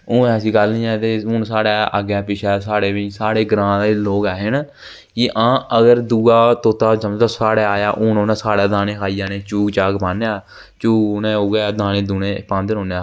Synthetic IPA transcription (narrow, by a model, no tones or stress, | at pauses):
õːɛːs̬ĩːkəlnĩːɛ̃ːt̪eːɦʊnsaːɽaːa̰ɡaːpɪt͡ʃʰɛːsaːɽeːʋiːsaːɽeːɡɾãːd̪loːɡɛːɦɪn | kɪʔãːəɡəɾd̪uːaːt̪oːt̪aːsəməd͡ʒd̪ãːsaːɽaːaːjaːʔʊnoːnãːsaːɽaːd̪aːneːkʰaːiːaːneːt͡ʃuːɡt͡ʃaːɡpaːneaː | t͡ʃuːɡnẽːoɡeːd̪aːneːd̪uːneːpãːnd̪eɦõːnaː